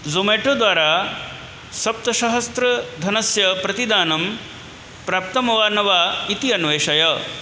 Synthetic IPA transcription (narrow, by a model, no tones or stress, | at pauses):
zumeːʈud̪ʋaːɾaː | sɐp̚t̪ɐʃɐɦɐst̪ɾɐd̪ʱɐnɐsjɐpɾɐt̪id̪aːnɐm | pɾaːp̚t̪ɐmɐʋaːnɐʋaːit̪iɐnʋeːʂɐjɐ